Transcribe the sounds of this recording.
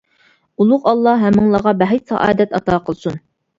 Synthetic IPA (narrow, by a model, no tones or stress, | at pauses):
ulˠʊqɑlˠːɑɦɛmːɪŋlˠɑʁɑbæɦɛjsɑ̰ʔɑ̰ːd̪ɛt̪ɑt̪ɑːqʰəlˠsun